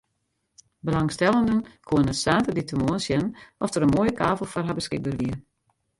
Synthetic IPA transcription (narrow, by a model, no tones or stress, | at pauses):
bəlaŋstɛlˠəndənkʰoənəsaːtəditəmoənsjɛnnʔɔfdəɾənmoːjəkʰaːvəl̩ˠfɔrɦabəskɪɡ̚bərʋiə